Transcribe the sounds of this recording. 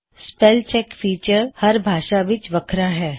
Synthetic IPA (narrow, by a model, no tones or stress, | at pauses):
spɛːlt͡ʃɛːkfiːt͡ʃəɾhɐɾbʱaːʃaʋɪt͡ʃʋɐkʰɾaɦɛː